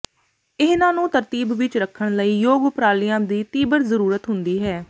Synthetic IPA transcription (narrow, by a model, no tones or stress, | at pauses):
ɪɦnãːnũːt̪əɾt̪iːbʋɪt͡ʃɾəkʰːəɳ̃ləiːjoːɡʊpɾaːlijãːd̪iːt̪iːbəɾzəɾuːɾət̪ɦʊnd̪iːɦɛː